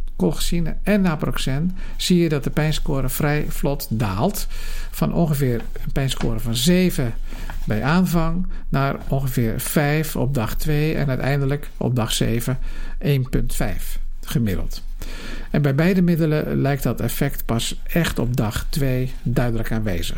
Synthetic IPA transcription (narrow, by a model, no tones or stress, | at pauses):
kolˠxə̥sinəɛnaːproksɛn | siːjədɑt̚dəpɛjnskoːɾəfrɛjflɔtdaːlˠtfɑnʔɔ̰nxəvɪːr | ənpɛjnsko̰ːɾəvɑnzeːvə | bɛjʔaːnvɑŋnaːrɔnxəvɪːrfɛjfɔ̰b̚dɑxtʋejɛ̰nœɥtɛ̰jndələkɔ̰p̚dɑxsḛːvəʔeːnpɵntfɛ̰jf | χəmɪdəlˠt | ɛnbɛjbɛjdəmɪdələlɛjktdɑtɛfɛktpɑs | ɛxtɔb̚dɑxtʋeː | dœɥdələkaːnʋḛːz̥əx